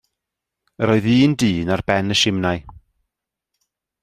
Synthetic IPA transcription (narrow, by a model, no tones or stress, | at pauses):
əɾɔːɨðiːndiːnarb̥ɛnəʃɪmnaj